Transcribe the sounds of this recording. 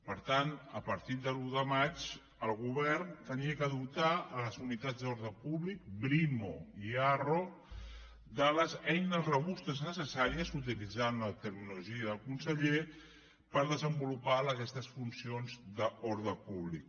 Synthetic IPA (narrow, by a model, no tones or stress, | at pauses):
pəɾt̪anəpəɾt̪id̪əluðəmat͡ʃ | əlˠɣuβɛɾnt̪əniəkəðupt̪aələzunit̪ad͡zd̪oɾðəpuβlik̚bɾimoiaro | d̪ələzɛjnəzrəβ̞ust̪əznəsəsaɾiəzut̪ilid͡zanlət̪əɾmiluʒiəðəlˠkunsəʎe | pəɾðəzəmbulupaləkɛst̪əsfunsionzd̪əoɾðəpuβlik̚